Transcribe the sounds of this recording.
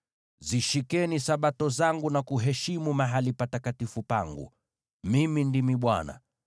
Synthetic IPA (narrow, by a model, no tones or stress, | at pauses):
ziʃikɛnisaɓatɔzaŋɡunakuɦɛʃimumaɦalipatakatifupaŋɡṵ | mimindimiɓwa̰na̰